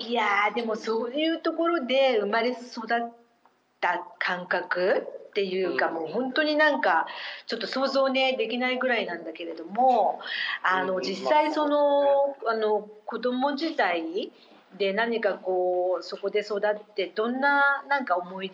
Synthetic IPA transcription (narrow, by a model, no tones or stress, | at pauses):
iad̪e̞mo̞soːjɯ̟ːt̪o̞ko̞ɾo̞d̪e̞ɯ̟maɾe̞so̞d̪at̪ː | akʰãŋkakɯ̟tt̪ːe̞jɯ̟ːkamo̞ːhõ̞nt̪o̞ɲ̟inãŋkat͡ɕo̞t̪ːo̞so̞ːzo̞ːne̞d̪e̞kʲinaiɡɯ̟ɾainãnd̪ake̞ɾe̞d̪o̞mo̞ | ano̞d͡ʑisːaiso̞no̞ano̞ko̞d̪o̞mo̞ʑit̪ai | d̪e̞naɲ̟ikako̞ːso̞ko̞d̪e̞so̞d̪at̪ːe̞d̪õ̞nːanãŋkao̞mo̞id̪